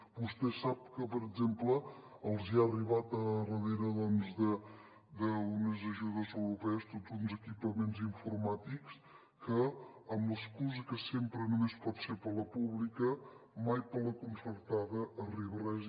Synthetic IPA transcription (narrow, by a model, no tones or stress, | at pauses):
bust̪ɛsap̚kəpəɾəɡzemplə | əlˠziariβ̞at̪ərəðeɾəðɔnzðə | d̪əunəzəʒuðəzəwɾupɛəst̪odzunzəkipəmenziɱfuɾmat̪iks | kəːmləskuzəkəsempɾənumespɔt̪seɾpələpuβlikəmajpələkunsəɾt̪aðəʔːriβərɛz